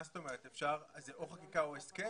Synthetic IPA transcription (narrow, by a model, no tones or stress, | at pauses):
st̪omeʁet̪efʃaʁzeʔoχakikaoeske